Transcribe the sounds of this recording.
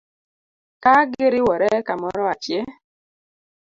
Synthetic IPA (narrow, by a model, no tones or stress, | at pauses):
kaɡɪɾɪwɔɾɛkamɔɾɔat͡ʃjɛ